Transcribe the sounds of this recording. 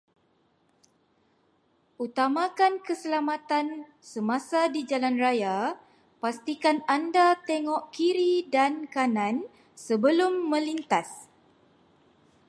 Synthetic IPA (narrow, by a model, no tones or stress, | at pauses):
ʔut̪amakankəsəlamat̪an | səmasadid͡ʒalanraja | past̪ikanandat̪eŋɔʔkiɾidankanãn | səbəlʊmːə̃lint̪as